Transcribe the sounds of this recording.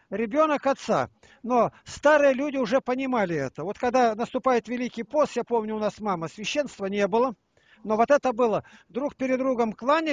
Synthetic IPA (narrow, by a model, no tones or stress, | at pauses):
ɾʲɪbʲo̞nəkɐt̪sa̰ | no̞st̪aɾɨjəlʲudʲɪʊʐɛpənʲɪmalʲɪɛt̪əvo̞t̪kɐɡd̪anəst̪ʊpajɪt̪vʲɪlʲikʲɪjpost̪japo̞mnʲʊʊnasmaməsvʲɪɕːe̞nst̪vənʲe̞bɨlˠə | no̞vot̪ɛt̪əbɨlˠəd̪ɾukpʲɪɾʲɪd̪ɾuɡəmklˠanʲɪ